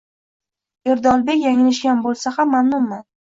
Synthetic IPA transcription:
eɾd̪ɒlˠbe̞kʲjaŋɪlɪʃɡʲanbolˠsahamːamnʊmːan

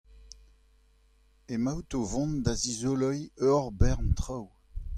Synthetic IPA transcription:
emawt̪ovɔ̃nd̪azizolɔjøʁbɛʁnt̪χaw

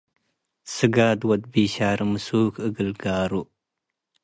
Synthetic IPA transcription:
səɡaːd̪wɐd̪̚biːɕaːɾɐmsuːkəɡəlɡaːɾu

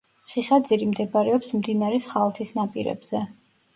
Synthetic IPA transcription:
χiχad̪ziɾimd̪ɛbaɾɛɔpsmd̪inaɾɛsχalˠt̪ʰisnapʼḭɾɛ̰bz̥ɛ

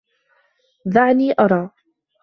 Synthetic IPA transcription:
ðaʕniːʔɑɾˤɑː

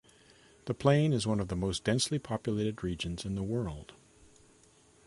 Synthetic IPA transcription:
ðɨpʰl̥ẽɪ̃nɨzwʌ̃nʌvðəmoʊsd̥ɛ̃nslipʰɑpjɨleɪɾɨd̚ɹid͡ʒɨ̃nzɨ̃nðəwɜ˞lˠd̥

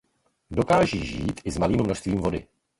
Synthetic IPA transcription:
do̞kaːʒiːʒḭːt̪ʔɪzmaliːmmno̞ʃst̪viːmvo̞dɪ̰

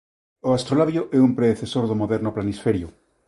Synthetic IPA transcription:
oast̪ɾolaβjoʔɛumpɾeðeθesoɾðomoðɛɾnoplanisfeɾjo

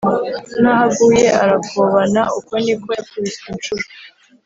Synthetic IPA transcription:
nahaɡuːje̞ʔaɾakoβanaʔukonikokuɾisint͡ʃuɾo

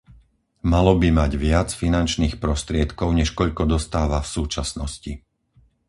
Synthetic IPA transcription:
malɔbimaɟʋɪat͡sfinant͡ʃniːxpɾɔst̪ɾɪɛt̪kɔʊɲɛʃkɔʎkɔd̪ɔst̪aːʋafsuːt͡ʃasnɔsci

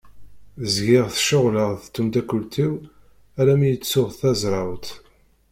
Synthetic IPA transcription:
zɡɪʁθʃʊʁləʁθt̪ːumt̪ækːʊlt̪iw | æɾæmijət͡sːʊʁθθæzɾˤɑwt̪

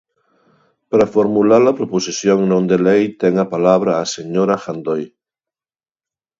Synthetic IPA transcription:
pɾafoɾmulaɾlapɾoposiθjoŋnõnd̪elejt̪eŋapalaβ̞ɾaːseɲoɾaxand̪oj

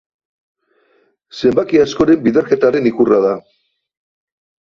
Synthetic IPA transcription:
se̞mbakiasko̞ɾe̞mbiðeɾke̞t̪aɾe̞nikuraða

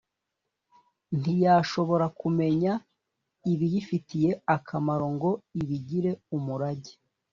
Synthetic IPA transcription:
n̥ijaːʃo̞βo̞ɾakume̞ɲa | iβijifitije̞akʰamaɾo̞ŋɡo̞iβiɟiɾe̞umuɾaɟi̥

